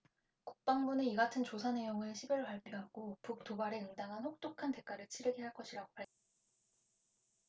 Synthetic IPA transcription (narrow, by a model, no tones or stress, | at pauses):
ku̥k̚p͈aŋbuneiɡatʰɯnt͡ɕosʰane̞joŋɯɭɕʰibʌɭaɭp͈iɦaɡ̥opuk̚t͈obaɾe̞ɯŋdaŋɦanɸok̚t͈okʰante̞k͈aɾɯɭt͡ɕʰiɾɯɡeɦaɭk͈ʌɕʰiɾaɡopʰaɭ